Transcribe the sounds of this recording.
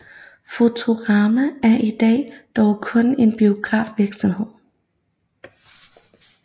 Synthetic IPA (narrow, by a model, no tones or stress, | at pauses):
fo̝t͡sʰo̝ʁɑ̈ːmææɐʔid̥ɛ̰ːd̥ɒʊkʰɔ̽ne̝nb̥io̝ɡ̥ʁɑ̰̈ːfʋiɐɡ̥sɒmhe̝ð̰ˠ